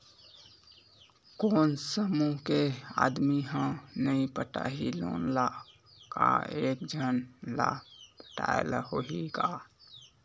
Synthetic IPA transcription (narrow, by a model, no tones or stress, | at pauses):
koːnsəmukea̰d̪miɦə̃nəĩpəʈaɦilonla | kaek̚d͡ʒʱənlapə̥ʈa̰elahoɦika